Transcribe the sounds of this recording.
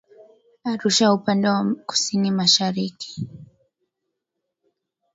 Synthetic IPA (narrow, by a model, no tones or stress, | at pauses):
aɾuʃaupandawakʊ̥sinimaʃaɾiki̥